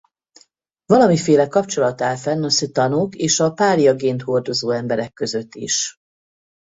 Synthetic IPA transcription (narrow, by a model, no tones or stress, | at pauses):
vɒlɒmifeːlɛkɒpt͡ʃo̞lɒt̪aːlfɛnːɒsit̪ɒnokeːʃɒpaːɾijɒɡeːnt̪ho̞rd̪o̞zoːɛmbɛɾɛkːø̞zø̞t̪ːiʃ